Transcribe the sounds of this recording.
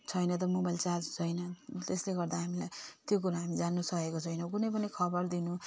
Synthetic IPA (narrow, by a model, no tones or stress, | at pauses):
t͡sʰʌjnʌt̪̬ʌmobajlt͡sad͡zut͡sʰʌjnʌt̪esleɡʌrd̪aɦamilajt̪jok̬uɾaɦamid͡zanːusʌkekot͡sʰʌjnʌwk̬unʌjp̬ʌnikʰʌbʌrd̪inũ